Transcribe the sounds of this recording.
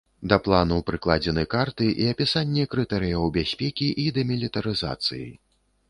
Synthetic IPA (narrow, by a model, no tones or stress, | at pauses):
d̪ɐplˠanupɾɨklˠad͡zʲɛnɨkart̪ɨʔiɐpʲisanʲːɛkɾɨt̪ɛɾɨjɐwbʲasʲpʲɛkʲiʔid̪ɐmʲilʲit̪ɐɾɨza̰t̪sɨ̰jḭ